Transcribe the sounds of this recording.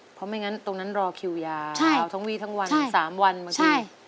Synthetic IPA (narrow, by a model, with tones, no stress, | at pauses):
pʰɔ˦˥ma˧˥˩jŋa˦˥nt̪o˧ŋna˦˥nɾɔː˧kʰi˧wjaː˧a˥˧a˧˩wt̪ʰa˦˥ŋwiː˥˩t̪ʰa˦˥ŋwa˧n˥˦˩saː˩˦mwa˧nma˨˦˥t͡ɕʰaː˧˩